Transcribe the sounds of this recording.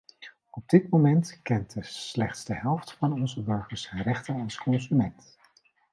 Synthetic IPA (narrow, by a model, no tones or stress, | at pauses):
ɔb̚dɪtmomɛntkɛntəslɛχtsdəɦɛlˠftfɑnɔnzəbøɹχəsənrɛχtənɑlˠskɔnzymɛnt